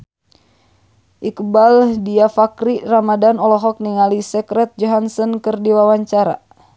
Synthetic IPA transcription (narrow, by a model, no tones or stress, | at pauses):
ʔikəbaldiafakɾiramadanɔlɔɦɔk̚niŋalisɛkɾɛt̪̚d͡ʒɔɦansɔnkɨrdiwawaɲt͡ʃaɾa̰